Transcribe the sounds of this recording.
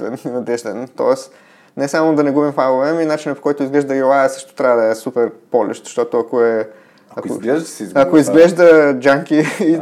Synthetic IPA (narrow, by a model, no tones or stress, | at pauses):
ɛ̰nnɐd̪ɛʒd̪ɛ̰nt̪ɔ̰ɛs | nɛsamod̪ɐnɛɡubimfalovɛminat͡ʃinəpo̥kɔjt̪ʊizɡlɛʒd̪əɡilˠaɛsɤ̥ʃt̪o̥t̪ɾʲavd̪ɐɛsupɛɾpɔlʲɛ̰ʃt̪ʃt̪ɔt̪oɐkoɛ | ɐklɛʒd̪əszɐkoizɡlɛʒd̪əd͡ʒaŋkiː